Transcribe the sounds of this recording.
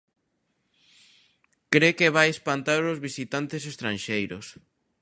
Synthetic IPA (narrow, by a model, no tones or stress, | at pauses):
kɾekeβajespant̪aɾozβisit̪ant̪esest̪ɾãnʃejɾʊs